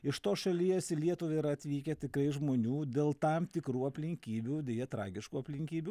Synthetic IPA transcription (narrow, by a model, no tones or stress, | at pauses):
ɪʃt̪oːʃɐlʲiːɛsʲɪlʲiɛt̪ʊʋʲeiɾɐɐt̪ʲʋʲiːkʲɛt̪ʲɪkɾɐɪʒmoːnʲuːd̪ʲeːlˠt̪ɐmt̪ʲɪkɾuːɐpʲlʲɪŋʲkʲiːbʲuːd̪ʲejɛt̪ɾɑ̰ːɡʲɪʃkuːɐpʲlʲɪŋʲkʲiːbʲu